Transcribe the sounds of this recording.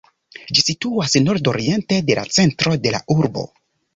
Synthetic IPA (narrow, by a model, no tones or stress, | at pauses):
d͡ʒisituasno̞ɾdo̞ɾie̞nte̞de̞la̰t͡se̞ntɾo̞de̞la̰ʔuɾbo̞̰